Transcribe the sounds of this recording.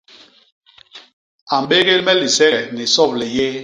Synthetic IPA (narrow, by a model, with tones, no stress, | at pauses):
a˨m˦be˦ɣe˦lmɛ˦li˨sɛ˦ɛ˨ni˨sɔ˦˨plɛ˨je˦